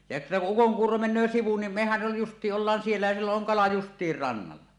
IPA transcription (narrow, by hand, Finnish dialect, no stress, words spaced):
jɑ etːæ ku ukoŋkuːro menˑøː siʋu nim mehæj jo justˑiːʔ ʔolːɑːn sielːæ jɑ silːoʔ ʔoŋ kɑlɑ justˑiːr rɑnːɑlːɑ